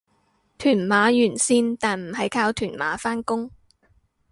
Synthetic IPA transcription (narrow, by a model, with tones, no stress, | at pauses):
t̪ʰyː˨˩nmaː˨˧˥jyː˨˩nsiː˧nt̪aː˨nm̩˨˩hɐ˨jkʰaː˧wt̪ʰyː˨˩nma̰ː˨˥faː˥nkʊ˥ŋ